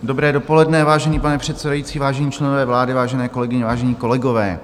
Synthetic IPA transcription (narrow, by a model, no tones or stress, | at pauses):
do̞bɾɛːdopo̞lɛdnɛvaːʒɛniːpanɛpr̝̥ɛt̪sɛdajiːt͡siːvaːʒɛɲiːt͡ʃlɛnovɛːvlaːdɪvaːʒɛnɛːkolɛɡɪɲɛvaːʒɛɲiːko̞lɛɡovɛ̰ː